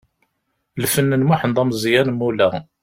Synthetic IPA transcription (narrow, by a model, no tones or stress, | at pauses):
lfənːənmaħənd̪ˤɑmzjænmːulæ